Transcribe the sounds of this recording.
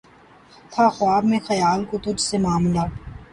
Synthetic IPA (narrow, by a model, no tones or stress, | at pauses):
t̪ʰaxʊaːbmẽxɐjaːlkot̪ʊd͡ʒʱsemaːmlaː